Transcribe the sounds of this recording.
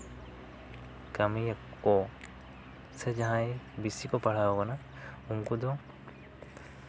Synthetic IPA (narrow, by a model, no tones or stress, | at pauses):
kamiakːɔ | sed͡ʒaɦãjbisikɔpaɽ̤awɔkana | uŋkɔd̪ɔ